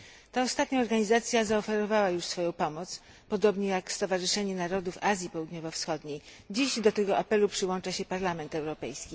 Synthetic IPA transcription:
t̪aɔst̪at̪ɲaɔɾɡaɲizat̪sʲjazaɔfɛɾɔvawajuʂsfɔjɔ̃w̃pɔmɔt̪s | pɔd̪ɔbɲɛjakst̪ɔvaʐɘʂɛɲɛnaɾɔd̪ufazʲjipɔwud̪ɲɔvɔfsxɔd̪ɲej | d͡ʑiʑd̪ɔt̪ɛɡɔʔapɛlupʂɘwɔnt͡ʂaɕɛpaɾlamɛnt̪ɛwɾɔpɛjskʲi

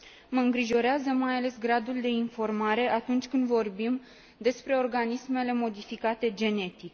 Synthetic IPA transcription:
məɨŋɡɾiʒo̞ɾeazəmajale̞sɡɾad̪uld̪e̞info̞rmaɾe̞ʔat̪unt͡ʃʲkɨnd̪vo̞rbim | d̪e̞spɾe̞o̞rɡanisme̞le̞mo̞d̪ifikat̪e̞d͡ʒe̞ne̞t̪ik

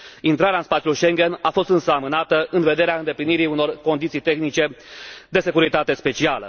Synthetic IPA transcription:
int̪ɾaɾeaɨnspat̪siulujʃe̞ŋɡʲe̞nafo̞st̪ɨnsəamɨnat̪əʔɨnve̞d̪e̞ɾeaɨnd̪e̞pliniɾiuno̞rko̞nd̪it̪sijt̪e̞xnit͡ʃe̞d̪e̞se̞kuɾit̪at̪e̞spe̞t͡ʃialə̰

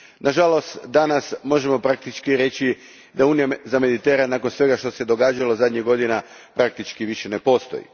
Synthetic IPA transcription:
nʔaʒalo̞st̪d̪anasmo̞ʒe̞mo̞pɾak̚t̪it͡ʃkiɾe̞t͡ɕi | d̪auːnijazame̞d̪it̪e̞ɾanaːko̞nsʋe̞ɡaʃt̪ose̞d̪o̞ɡaːd͡ʒalo̞zad̪ʲɲiɡo̞d̪ina | pɾak̚t̪it͡ʃkiʋiʃe̞ne̞po̞st̪o̰jḭ

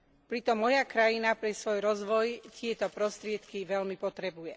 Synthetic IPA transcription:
pɾit̪ɔmːɔjakɾajinapɾɛsʋɔjɾɔzʋɔjt̪ɪɛt̪ɔpɾɔst̪ɾɪɛt̪kiʋɛlmipɔt̪ɾɛbujɛ

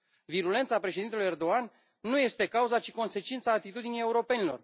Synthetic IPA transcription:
viɾule̞nt̪sapɾeʃe̞d̪int̪euje̞rd̪o̞an | nːuje̞st̪e̞kauzat͡ʃi̥ko̞nse̞t͡ʃint̪saːt̪it̪ud̪inijeuɾo̞pe̞nilo̞r

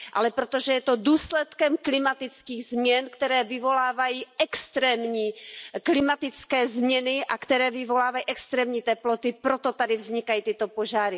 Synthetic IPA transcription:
ʔa̰lɛpɾot̪oʒɛjɛt̪o̞duːslɛt̪kɛmklɪmat̪ɪt͡skiːɣzmɲɛnkt̪ɛɾɛːvɪvo̞laːvajiːʔɛkst̪ɾɛːmɲiːklɪmat̪ɪt͡skɛːzmɲɛnɪʔa̰kt̪ɛɾɛːvɪvo̞laːvajiːʔɛkst̪ɾɛːmɲiːt̪ɛplot̪ɪpɾot̪ot̪adɪvzɲɪkajiːt̪ɪt̪opoʒaːɾɪ

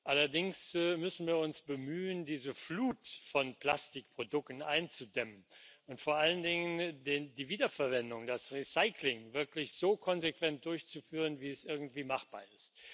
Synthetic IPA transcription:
ʔalɐdɪŋsmʏsn̩viːɐʊnsb̥əmyːəndiːzəfluːtfɔnpl̥astɪk̚pʁ̥odʊktn̩ʔaɪnt͡sudɛmənʔʊntfoːɐʔaləndɪŋəndendiːviːdɐfɛɐvɛndʊŋdasʁisaɪklɪŋvɪɐklɪçz̥oːkʰɔnzekv̥ɛnt̚d̥ʊɐçt͡sufyːʁənviːɛsʔɪɐɡŋ̩tv̥iːmaχb̥a̰ːɐɪst

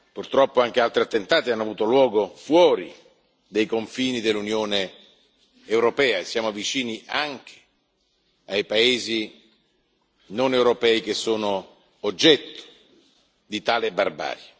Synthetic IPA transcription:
purt̪ɾɔpːoaŋk̟ealt̪ɾiat̪ːent̪aːt̪ianːoavuːt̪olwɔːɡofwɔːɾi | d̪ejkoɱfiːnid̪elːunjoːneː | wɾopɛːaesːjaːmovit͡ʃiːniʔaŋk̟ʰe̥ | ajpaeːzi | nonewɾopɛːikesːoːnoː | d͡ʒːɛt̪ːo̥ | d̪it̪aːlebarba̰ːɾja

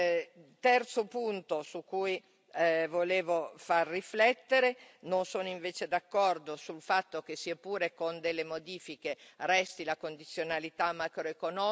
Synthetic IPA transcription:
t̪ɛrt̪sopunt̪osukːuj | voleːvofarːiflɛt̪ːeɾenonsoːnoiɱveːt͡ʃed̪akːɔrd̪osulfat̪ːok̟esːiapuːɾekond̪elːemod̪iːfikerɛst̪ilakond̪it̪sːjonalit̪amːakɾoekonɔ

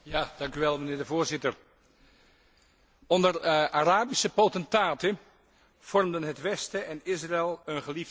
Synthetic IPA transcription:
jaːd̥ɑŋkyʋɛlˠmənɪːɹdəvʊːɹzɪtəɹ | ɔndəraraːbisəpowtɛntaːtə | v̥ɔrmdənɦətʋɛstəʔɛnɪsraɛlˠənχəliv

